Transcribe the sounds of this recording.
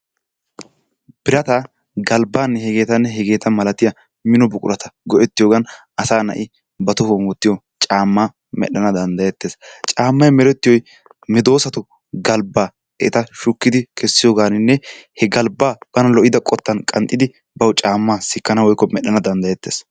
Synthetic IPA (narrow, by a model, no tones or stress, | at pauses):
b̥ɪɾɐt̪ɐ | ɡɐlbaːnːɛhɛɡe̞ːt̪ɐnːɛɦɛɡe̞ːt̪ɐmɐlɐt̪ɪjɐ | mɪnɔbʊkʼʊ̰ɾɐt̪ʰɐ̥ɡɔʔɛt̪ːɪjoːɡɐn | ɐsaːnɐ̰ʔɪ | bɐt̪ʊhomʊt̪ːɪjo | t͡ʃʼaːmːaː | mɛ̰ɗːɐnɐd̪ɐnd̪ɐjɛt̪ːeːst͡ʃʼaːmːɐjmɛɾɛt̪ːɪjɔj | mɪd̪o̞ːsɐt̪ʊ | ɡɐlbaː | ɛʔt̪ɐʃʊkːɪd̪ɪkʰɛsːɪjoːɡaːnɪnːɛhɛɡɐlbaːb̥ɐnɐlɔʔɪd̪ɐkʼɔt̪ːɐnkʼɐnt̪ʼːɪd̪ɪ | bɐwʊt͡ʃʼaːmːaːsɪkːɐnɐwɔjkːɔmɛɗɐnɐd̪ɐnd̪ɐjɛt̪ːe̞ːs